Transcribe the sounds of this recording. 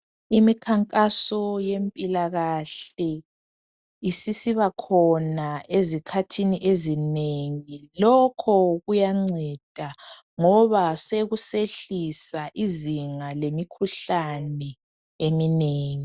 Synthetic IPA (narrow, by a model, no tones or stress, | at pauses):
imikʰaŋkʼasɔjempʼilaɣaɬɛ | isisiβakʰɔnaezikʰatʰiniʔezineŋilɔkʰɔɣujaŋ͡ǀɛd̥ʱa | ŋɔβaseɣuseɬisaʔiziŋalemikʰuɬanɛ | emineːŋi